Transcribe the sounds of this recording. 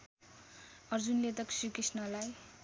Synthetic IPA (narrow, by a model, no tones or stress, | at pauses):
ʌrd͡zunlet̪ʌksikrisnʌlaj